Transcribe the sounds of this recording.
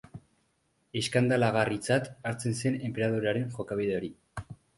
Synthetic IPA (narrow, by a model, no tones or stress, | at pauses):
e̞skand̪alaɣ̞arit͡sat̪aɾt͡se̞nse̞ne̞mpe̞ɾað̞uɾaɾe̞ŋxo̞kaβ̞iðe̞o̞ɾi